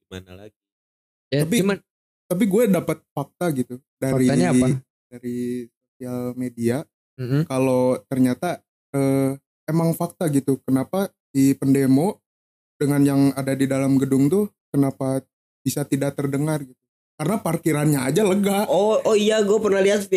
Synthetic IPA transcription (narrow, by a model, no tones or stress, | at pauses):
ima̰nala̰ɡi | jaapim | t̪ap̬iɡuɛdapat̪̚fak̚t̪aɡit̪u | daɾiɲa | daɾisosialmedia | kalot̪ərɲat̪a | ə | emaŋfak̚t̪aɡit̪ukənapa | dipəndemo | dəŋanjaŋadadidalamɡədʊŋt̪ʊ | kənapa | b̥isat̪idak̚t̪ərdəŋarɡit̪̚u | kaɾənaparkiɾanɲaːd͡ʒaləɡaɔɔijaɡuɛpərnahliat̪i